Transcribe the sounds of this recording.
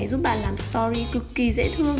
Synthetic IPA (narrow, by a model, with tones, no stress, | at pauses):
jzu˦˥t̚ɓaː˧˨˩nlaː˨˩mst̪ɔ˧ɾi˧kɨ˨˧˩kːi˧˩zḛ˧˥t̪ʰɨ˧əŋ